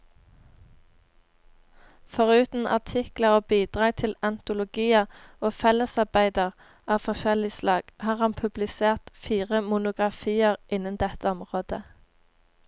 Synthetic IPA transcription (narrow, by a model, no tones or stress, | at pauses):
fɔʁʉːt̪n̩ʔɑ̰t̪ʰɪkləʁoːbiːd̪̥ʁɑːɡ̚t̪ʰɪlɛnt̪ʊlʊɡiːəʁoːfɛləsɑʁbæɪd̪əʁ | ɑːʋfɔʃɛlɪslɑːɡ̥hɑːʁhɑnpʰʉblɪseːʁt̪fiːʁəmʊnʊɡʁɑfiːəʁʔɪnənd̪ɛt̪əɔmʁoːd̪̥ə